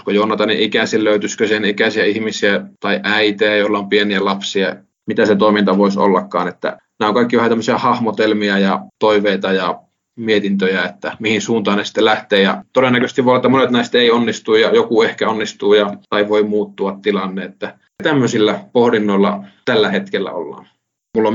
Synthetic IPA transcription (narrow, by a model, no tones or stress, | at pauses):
skojoˑunːɑt̪ɑniʔikæsilløyt̪yskøsienikæsiæihmisiæt̪ɑiʔæit̪eæjoilːɑompieniælɑpsiɑ | mit̪æset̪oˑimint̪ɑʋoiso̰lːɑkːɑ̰ːnet̪ːæ̰ | næːoŋkɑikːiʋæhɑt̪æmːøsiɑhɑhmot̪elmiɑjɑt̪oiʋeit̪ɑjɑ | miet̪int̪øjæet̪ːæmihinsuːnt̪ɑːnesi̥t̪ːelæht̪eːjɑ̰t̪odenːækøst̪iʋoɑet̪ːæmonet̪næˑist̪eˑionːist̪uːjɑjokuehkæonːist̪uːjɑt̪ɑiʋoimuːt̪ːuɑt̪t̪ilɑnːeet̪ːæ | t̪æmːøsilːæpohdinːoˑilːɑ̰t̪ælːæhet̪kelːæ̰o̰lːɑ̰ːn | mulːom